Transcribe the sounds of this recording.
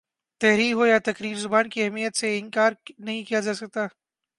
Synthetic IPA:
t̪ɛɦɾiːkɦojat̪ɐkɾiːɾzʊbaːnkiɛɦɛmijət̪seɪ̃nkaːɾnɐɦĩkijad͡ʒaːsɐk̚t̪aː

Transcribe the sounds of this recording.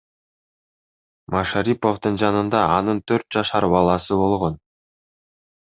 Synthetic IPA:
mɑʃaɾipo̞fd̪ɯnd͡ʒɑnɯnd̪ɑɑnɯnt̪ʰøɾt̪̚d͡ʒɑʃɑɾbɑlˠɑsɯbo̞lˠʁo̞n

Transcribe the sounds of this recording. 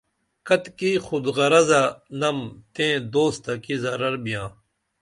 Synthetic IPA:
kɐt̪kixʊd̪ɣɐɾɐzanɐmt̪ẽːd̪oːst̪ɐkizɐɾɐɾbijãː

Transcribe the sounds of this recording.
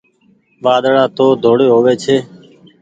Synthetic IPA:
ʋaːd̪ɽaːt̪oːd̪ʱoːɽeːɦoːʋeːt͡ʃʰeː

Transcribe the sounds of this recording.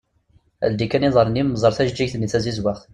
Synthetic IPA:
æ̰ld̪ikæniðˤəɾˤnimːəzˤəɾˤθæʒd͡ʒːiçθəniθæzizwæʁθ

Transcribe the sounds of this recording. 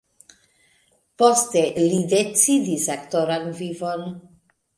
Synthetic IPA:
postelidet͡sidisaktoɾanvivon

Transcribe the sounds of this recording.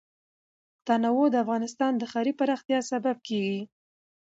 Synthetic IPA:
t̪ɑnawod̪əafɣɑnɪst̪ɑnd̪əxɑɾipaɾɑxt̪jɑsabab̚keɡi

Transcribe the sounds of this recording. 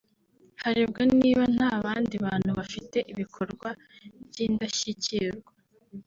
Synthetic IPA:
haɾeb̚ɡaniːβan̥haːβaːndiβaːn̥huβafite̞ʔiβikʰo̞ɾɡwa | bɟiːndaçiciɾɡwa

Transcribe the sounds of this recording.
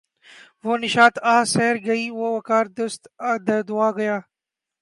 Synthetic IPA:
ʋoːnɪʃaːt̪aːseɦɾɡɐiːʋoːʋɐkaːɾd̪ʊst̪d̪əd̪ʊaːɡɐjaː

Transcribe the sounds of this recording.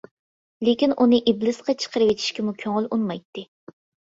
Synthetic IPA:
lɪkʲinʔunɨʔiblɨsqɑt͡ʃʰə̥qʰəɾɨwet͡ʃ̪ʰi̥ʃkʲɛmukʲʰøŋɪlunmɑjt̪ːɨ

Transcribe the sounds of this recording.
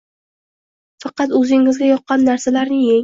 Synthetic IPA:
fɑqɑt̪ɵzɪŋɪzɡʲajɒqːɑnːaɾsalaɾnɪŋje

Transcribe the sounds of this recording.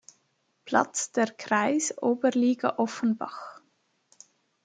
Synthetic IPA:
pʰlɑ̰t͡sd̥ɛːʁkʰʁaɪsʔoːbəɾliːɡɑ̰ʔɔfənbɑ̰χ

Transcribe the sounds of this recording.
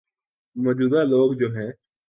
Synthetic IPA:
mɔːd͡ʒuːd̪aːloːɡd͡ʒoːɦɛ̃ː

